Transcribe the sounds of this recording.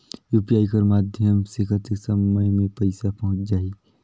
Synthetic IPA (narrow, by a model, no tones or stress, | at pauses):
juːpijaːikəɾmaːd̪ʱjəmsekat̪esɐməjmẽpɐɪsapɐɦʊ̃t͡ʃd͡ʒaːi